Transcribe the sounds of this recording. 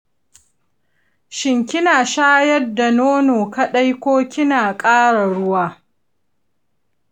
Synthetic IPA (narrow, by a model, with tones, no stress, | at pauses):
ʃɪ˨ŋkʲɪ˦naː˨ʃaː˦jɐ˦rdːa˨noː˦noː˨kɐ˦ɗa˦jkʷoː˦kʲɪ˦naː˨kʼaː˦ɽa˨ɽʊ˦waː˦